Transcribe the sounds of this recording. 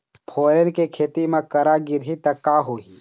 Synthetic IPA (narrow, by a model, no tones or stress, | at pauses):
pʰoːɾenkekʰeːt̪imãkɐɾaɡɪɾɦit̪ɐkːaːɦoːɦi